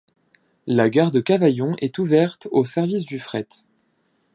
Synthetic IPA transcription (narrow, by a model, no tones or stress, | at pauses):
laɡaʁd̪əkavajɔ̃ʔɛt̪uvɛʁt̪osɛʁvis̬d̪yfχɛt̪